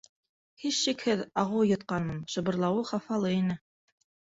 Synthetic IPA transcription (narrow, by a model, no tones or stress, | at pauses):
hiʃːikhɘðɑʁɤwjɤ̆t̪̚qɑnɤmʃɤ̆βɤ̆ɾlˠɑwɤχɑfɑlˠɤinɘ